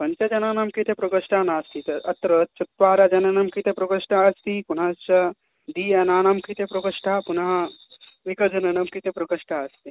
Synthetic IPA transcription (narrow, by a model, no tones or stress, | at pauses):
pɐnt͡ʃɐd͡ʒɐnaːnamkit̪ʰepɾokɐʂʈʰanaːst̪it̪ɐɐt̪ɾət͡ʃut̪ʋaːɾad͡ʒɐnɐnɐmkit̪epɾokɐʂʈaɐst̪ipun̤at͡ʃɐ | d̪iɛnaːnamkit̪epɾokɐʂʈʰapunɦaʋikɐd͡ʒɐnɐnɐmkit̪epɾɐkɐʂʈʰaɐst̪i